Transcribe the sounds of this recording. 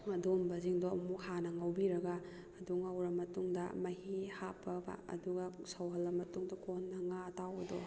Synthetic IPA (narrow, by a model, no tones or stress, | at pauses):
ɐdombɐziŋdoɐmukhanɐŋɐwbiɾɐɡɐː | duŋɐwɾɐmɐtuŋdɐ̰mɐhihapʰɐba̰ɐ̰duɡɐsɐwɦɐlːɐmɐtuŋdɐkonːɐŋatawɐdɔ